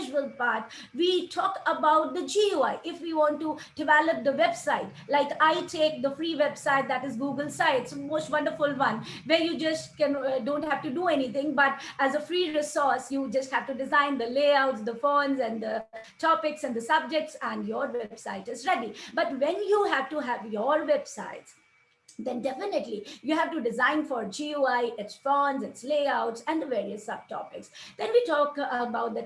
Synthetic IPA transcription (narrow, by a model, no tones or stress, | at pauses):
ʒəlpaɾʈʋiːʈʰɔːkəbaʊʈ̚d̪əd͡ʒioaɪʔɪfʋiːʋɔ̃ːnʈuɖ̥ɪʋɛləp̚d̪əʋɛbsaɪʈ | laɪkaɪʈʰeːk̚d̪əfɾiːʋɛbsaɪt̚d̪æʈɪzɡuːɡəlsaɪɪtsəmoːsʈʋʌ̃nɖəɾfʊlʋʌ̃nʋɛɾjud͡ʒʌsʈkɛ̃nɖõːnʈhævʈuɖuɛnit̪ʰɪ̃ŋbʌʈæzəfɾiːɾɪsɔɾsjud͡ʒʌst̚hæʋʈuɖɪzãɪ̃nd̪əleɪaʊʈsd̪əfõːnzɛ̃nd̪əʈʰɔpɪksɛ̃nd̪əsʌb̚d͡ʒek̚ʈsɛ̃nɖjɔːɾʋɛbsaɪʈɪzɾɛɖibʌʈʋɛ̃njuːɦæʋʈuɦæʋjɔɾʋɛb̥sa̰ɪʈs | d̪ɛ̃nɖɛfɪnɪʈlijuːɦæʋʈuɖɪzãɪ̃nfɔɾd͡ʒiuaɪʔɪʈsfõːnzɪtsleɪaʊʈsɛ̃nd̪əʋeːɾiəsːʌb̚ʈʰɔ̰pɪksd̪ɛ̃nʋiʈɔːkəbaʊt̚d̪ə